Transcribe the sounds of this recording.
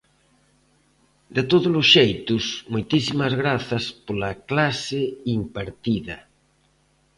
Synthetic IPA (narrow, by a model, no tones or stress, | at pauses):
d̪et̪oðʊlʊsʃejt̪ʊsmojt̪isimɐzɣɾaθɐspolɐklasɪimpaɾt̪iðɐ